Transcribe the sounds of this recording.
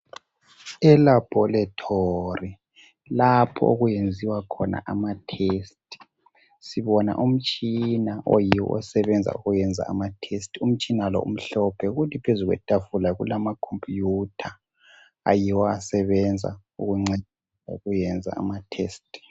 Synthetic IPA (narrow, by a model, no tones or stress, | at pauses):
ɛlab̥ʱɔlatʰori | lapʰɔ̰oɣujend͡zʱiwakʰɔna̰ʔamatʰest̚ʰʼi̥ | siβɔna̰ʔum̩t͡ʃʼinaʔojiwɔ̰ʔɔ̰sɛβɛnd͡zʱa̰uɣujɛnd͡zʱa̰amatʰestʰum̩t͡ʃʼinalɔ̰ʔṵm̩ɬɔpʰɛuɣutʰipʰezuɣwɛ̰tʼafulaɣṵlamakʰompʰʼjutʰa | a̰jiwɔasɛβɛnd͡zʱa̰ | uɣuŋ͡ǀed̥ʱisa̰uɣujɛnd͡zʱa̰a̰matʰeːstʰʼ